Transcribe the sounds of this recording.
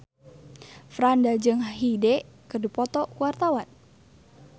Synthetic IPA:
fɾandad͡ʒɨŋɦidɛ | kədupɔt̪ɔkuwart̪awan

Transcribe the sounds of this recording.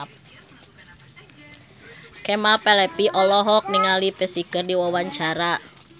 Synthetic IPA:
p̚ | kɛmapɛlɛpiʔɔlɔɦɔk̚niŋalipəsikərdiwawaɲt͡ʃaɾa

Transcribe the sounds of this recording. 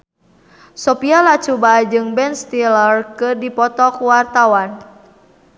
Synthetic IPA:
sɔpialat͡ʃubad͡ʒɨŋbɛnst̪ilərkɨrdipɔt̪ɔkuwart̪awan

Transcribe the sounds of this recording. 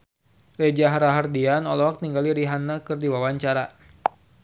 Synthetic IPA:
red͡ʒaɦaɾaɦardianolɔwak̚t̪iŋɡaliɾiɦanːakɨrdiwawaɲt͡ʃaɾa

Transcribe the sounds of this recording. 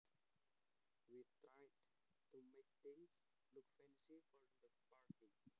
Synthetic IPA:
ʋiʈɾaɪɖ | ʈumek̚t̪ɪ̃ŋs | lʊkfɛ̃nsifɔʈd̪əpaɾʈĩ

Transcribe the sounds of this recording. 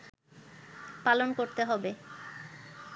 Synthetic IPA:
palonkoɾt̪eɦɔbe

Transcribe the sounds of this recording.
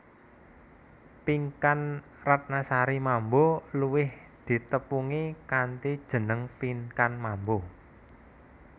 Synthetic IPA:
piŋkan | rat̪̚nasaɾimamboluwɪh | d̪̥i̤t̪əpuŋikant̪id̥ʒ̥ə̤nəŋpiŋkanmambo

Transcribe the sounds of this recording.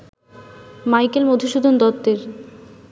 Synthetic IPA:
majkelmod̪ʱiʃud̪ʱond̪ɔt̪ːeɾ

